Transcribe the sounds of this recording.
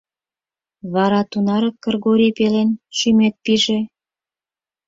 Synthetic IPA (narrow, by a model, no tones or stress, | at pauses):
βɑɾɑt̪unɑɾɑkkɤ̆rɣoɾipelenʃymet̪̚piʒĕ